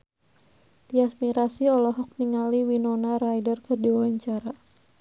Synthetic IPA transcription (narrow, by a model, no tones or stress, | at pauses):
t̪iasmiɾasiɔlɔɦɔk̚niŋaliwinɔnaɾajdərkɨrdiwawaɲt͡ʃaɾa